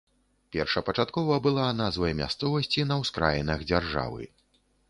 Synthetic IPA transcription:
pʲɛrʂɐpɐt͡ʂat̪kɔvɐbɨlˠanazvɐjmʲa̰st̪sɔvɐsʲt͡sʲinɐwskɾa̰jɛnɐxd͡zʲarʐa̰vɨ̰

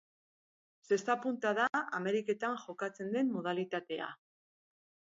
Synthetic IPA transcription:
se̞st̪apunt̪aðaame̞ɾike̞t̪aŋʝo̞kat͡se̞nd̪e̞mːoð̞alit̪at̪e̞a̰

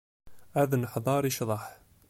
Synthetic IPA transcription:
æðnəħðˤɑɾˤiʃðˤɑħ

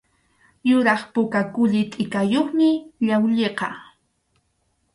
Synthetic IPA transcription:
jʊɾɑχpʊkakʊʎɪt̪ʼɪkajoχmɪʎawʎeqɑ

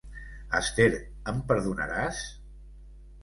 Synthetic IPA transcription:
əst̪eɾ | əmpəɾðunə̰ɾas

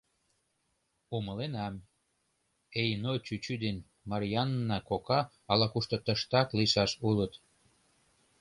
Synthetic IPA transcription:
uməlenɑm | ejnot͡ɕyt͡ɕyd̪en | mɑɾʲijɑnːɑkokɑː | lɑkuʃt̪ɤ̆t̪əʃt̪ɑkliʃɑʃulət̪

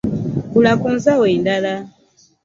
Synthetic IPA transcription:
kulakunzawɛindala

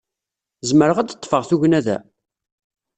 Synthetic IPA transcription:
zməɾəʁæd̪ət̪ˤːfəʁθuʝnæðæ̰

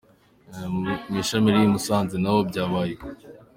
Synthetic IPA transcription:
miʃamiɾijimusaːnzinaβobɟaːβaːjek

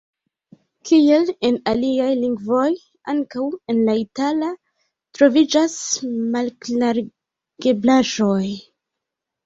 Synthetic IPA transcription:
kʰie̞le̞naliajliŋɡvo̞j | aŋkawe̞nlaitala | tɾo̞vid͡ʒasmalknaɾ | ɡ̥e̞blaʒo̞j

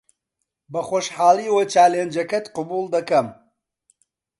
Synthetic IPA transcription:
bɐχoːʃħɑːlˠiːwɐt͡ʃaːleːnd͡ʒɐkɐt̪qɨbuːlˠd̪ɐkɐm

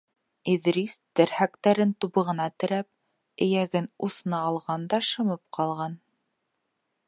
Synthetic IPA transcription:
iðɾist̪ɘ̆ɾhækt̪æɾɘnt̪uβɤ̆ʁɤ̆nɑt̪ɘ̆ɾæp̚ | ɘ̆jæɡɘnuθɤ̆nɑːlˠʁɑnd̪ɑʃɤ̆mɤp̚qʰɑlˠʁɑn

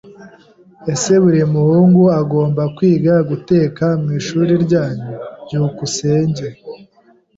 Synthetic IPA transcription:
e̞se̞βuɾimuhuːŋɡuaɡo̞ːmbakwiːɡaɡute̞ːkamŋiːʃuːɾiɾɟaːɲuɟuukuse̞ːɲɟe̞

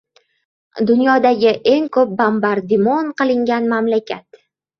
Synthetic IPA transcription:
d̪ʊnjɒd̪aɡʲɪʔe̞ŋkʰop̚bambaɾd̪ɪmonqɨlˠɪŋɡʲanmamlakʲʰat̪

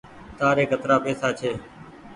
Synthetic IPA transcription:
t̪aːɾeːkət̪ɾaːpeːsaːt͡ʃʰeː

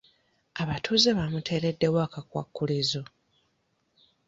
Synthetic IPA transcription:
aβatʰuːzeβamutʰe̞ːɾe̞dːe̞wakakwa̰kːulizo

